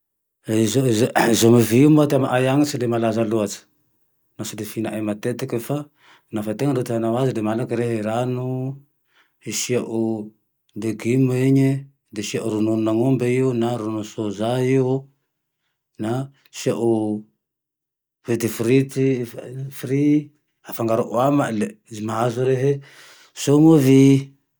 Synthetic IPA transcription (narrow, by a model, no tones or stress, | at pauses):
zozizomiviiumat̪amaʔajaŋisilemalazaluat͡si̥ | nasilefinaʔamat̪et̪ekəfa | nafat̪eŋənɖ͡ʐot̪ianawazilemalakiɾeɦiɾanu | iʃiaʔu | d̪eɡimeɲi | d̪eʃiaʔuɾununaŋombeionaɾunusozaio | na | ʃiaʔo | vit̪ifɾit̪ifɾi | afaŋɡaɾoʔuamalezimaɦazuɾeɦe | soŋovi